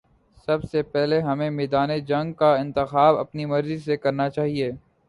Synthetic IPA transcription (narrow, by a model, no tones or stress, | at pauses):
sɐbsepɛɦleɦɐmẽmeːd̪aːned͡ʒɐ̃ŋɡkaɪ̃nt̪ɪxaːbɐ̰pnimɐɾzisekɐɾnat͡ʃaːɦieː